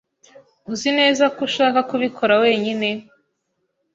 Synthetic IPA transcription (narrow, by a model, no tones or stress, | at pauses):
uzine̞ːzakuʃaːkakuβikʰo̞ɾawe̞ːɲine̞